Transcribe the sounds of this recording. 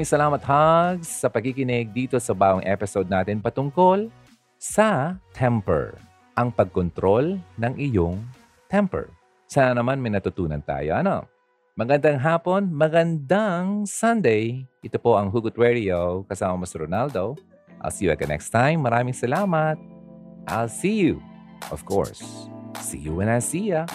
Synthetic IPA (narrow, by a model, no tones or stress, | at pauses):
mɪŋsɐlaːmɐt̪̚haɡsːɐpɐɡ̚kikɪnɪɡ̚d̪iːt̪o̞sɐbaːɡoŋʔɛpɪsowd̪̚naːt̪ɪnpɐt̪ʊŋko̞l | sɐt̪ʰɛmpɛ̰ɹ | ʔɐŋpɐɡ̚kont̪ɾo̞lnɐŋʔɪjoŋ | t̪ɛmpɛ̰ɹ | sanɐnɐmanmɐjnɐt̪ʊt̪uːnɐ̰nt̪a̰ːjo̰ʔɐno̞̰ | mɐɡɐnd̪aŋɦaːpo̞nmɐɡɐnd̪aŋsɐnd̪ɛjʔɪt̪opo̞ʔɐŋɦuɡʊt̪̚wɛɾiowkɐsaːmɐmosiɾonald̪o | ʔa̰lsijuɛ̰k̚ɐnɛ̰kst̪ajmːɐɾaːmɪŋsɐlaːmɐt̪̚ʔa̰lsiju | ʔɔv̥kʰo̰ɹsː | ḭjṵwɛnasijɐ